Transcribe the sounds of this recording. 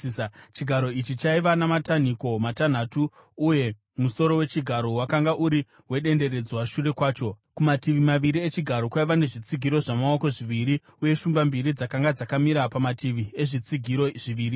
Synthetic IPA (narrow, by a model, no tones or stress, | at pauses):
t͡ʃiɡʱaɾo̞it͡ʃit͡ʃaiʋanamataniko̞matan̤atuː | je̞ | muso̞ɾo̞we̞t͡ʃiɡʱaɾo̞wakaŋɡaʔuɾi | we̞ɗe̞nde̞ɾe̞d͡zwaʃure̞kwaːt͡ʃo̞ | kumatiʋimaʋiɾiet͡ʃiɡʱaɾo̞kwaiʋane̞ʐit͡siɡʱiɾo̞ʐamaoko̞ʐiʋiɾi | uje̞ʃumbambiɾid͡zakaŋɡad͡zakamiɾapamatʰiʋie̞ʐit͡siɡʱiɾoʐiʋiːɾi